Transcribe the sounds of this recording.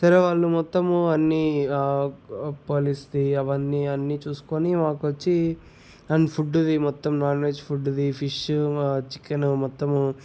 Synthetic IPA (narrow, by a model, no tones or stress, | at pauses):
sɐɾeʋaːɭːumɔt̪ːɐmuɐnːi | poːlist̪iɐʋɐnːiɐnːit͡ʃuːsu̥koːnimaːkʋɐt͡ʃːi | ɐnpʰuɖud̪imɔt̪ːɐmnaːɾnʋeːd͡ʒpʰuɖːud̪ipʰiʃut͡ʃi̥kːɐnumɔt̪ːɐm